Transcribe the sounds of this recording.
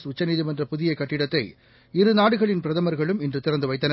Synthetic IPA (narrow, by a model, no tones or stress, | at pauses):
sʊt͡ʃːɐniːðimɛndrɐpʊðɪjɐkːɐʈːɪɽɐt̪ːɐɪ | ɪɾɯnaːɽɯɣɐɭɪnpɪɾɐðɐmɐɾɣɐɭɯmɪndrɯt̪ɪɾɐnd̪ɯʋɐɪt̪ːɐnɐ